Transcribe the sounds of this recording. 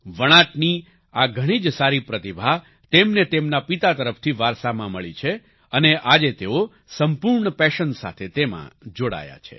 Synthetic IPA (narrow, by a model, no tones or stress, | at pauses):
ʋəɽ̃ãʈni | aɡʱəɽ̃id͡ʒsaɾipɾət̪ibʱa | t̪emnet̪emnapit̪at̪əɾəfʰt̪ʰiʋaɾsamãməɭit͡ʃʰe | əneʔad͡ʒet̪eo | səmpuɾɳəpɛʃənsa̰t̪ʰet̪emã̰d͡ʒoɽa̰ja̰t͡ʃʰḛ